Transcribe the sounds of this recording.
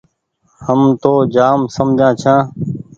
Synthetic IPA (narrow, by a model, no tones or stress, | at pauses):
həmt̪oːd͡ʒaːmsəmd͡ʒʱãːt͡ʃʰãː